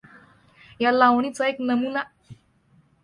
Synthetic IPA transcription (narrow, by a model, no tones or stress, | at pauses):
jalawɳit͡saeknəmuna